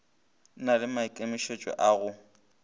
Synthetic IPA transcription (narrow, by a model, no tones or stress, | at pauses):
nalɪmaikʼemɪʃet͡ʃʼɛ̰ʔaɣʊ